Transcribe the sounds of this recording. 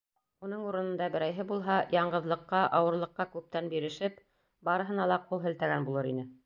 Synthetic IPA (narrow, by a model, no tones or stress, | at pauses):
unɤɴuɾɤ̆nɤ̆nd̪ɑbɘ̆ɾæjɦɘbulˠɦɑjɑɴɢɤ̆ðlˠɤ̆qːɑʔɑwɤ̆ɾlˠɤ̆qːɑkʉp̚t̪ænbiɾɘ̆ʃɘp | bɑɾɤ̆ɦɤ̆nɑlˠɑqulˠɦɘ̆lt̪æɡænbulˠɤɾinɘ